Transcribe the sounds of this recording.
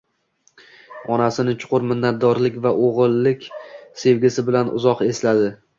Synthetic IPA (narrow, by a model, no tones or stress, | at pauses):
ɒnasɪnɪt͡ʃʰʊ̥qʰʊɾmɪnːat̪̚d̪ɒɾlɪkʲvaʔoʁɨlˠːɪkʲse̞vɡʲɪsɪbɪlanʔʊ̰zɒqe̞slad̪ɪ